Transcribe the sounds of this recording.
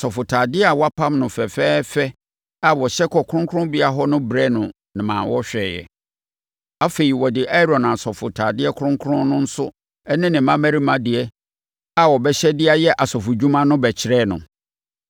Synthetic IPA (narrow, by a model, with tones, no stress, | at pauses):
sɔ˨fʊ˨tʰaː˨dɪ˦a˨wɔ˦a˦pʰã˦mnʊ̃˨fɛ˨fɛː˦fɛ˦ | a˨wɔ˨ɕɛ˦kʰɔ˨kʰʊ˦ɾʊ̃˦ŋkʰʊ̃˦bi˦a˨ɦɔ˦nʊ̃˦bɾɛ˦nʊ̃˨ | nɪ̃˨mãː˨nwɔ˦ɕᶣɛ˨jɛ̰˨ | a˦fe˨i˨wɔ˨dɪ˨ʔa˦ɾɔ̃˨nã˨sɔ˨fʊ˨tʰaː˨dɪ˦ɛ˦kʰɾʊ̃˦ŋkʰʊ˦ɾʊ̃˦nʊ̃˦n̩˦sʊ˦ | ɛ˦nɪ̃˦nɪ̃˨mã˦mæ̃˦ɾi˦mã˦dɪ˨ɛ˦ | a˨wɔ˨bɛ˦ɕɛ˦dɪ˦a˦jɛ˦ʔa˨sɔ˨fʊ˨d͡ʑᶣu˦mã˦nʊ̃˦bɛ˨t͡ɕʰɪ˨ɾɛː˦˨nʊ̰̃˨